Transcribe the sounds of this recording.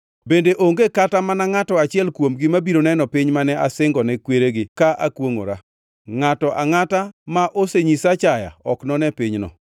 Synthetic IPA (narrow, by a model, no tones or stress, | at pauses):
bendeʔoŋɡekatamanaŋatɔat͡ʃɪɛlkwomɡɪmabiɾonɛnɔpɪɲmanɛʔasɪŋɡɔnɛkweɾeɡɪkaʔakwoŋo̰ɾa | ŋatɔʔaŋatamaʔoseɲisat͡ʃaja̰ɔknɔnɛpɪɲnɔ̰